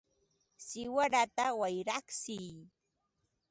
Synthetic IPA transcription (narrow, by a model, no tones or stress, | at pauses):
sɪwaɾat̪awajɾaχsɪj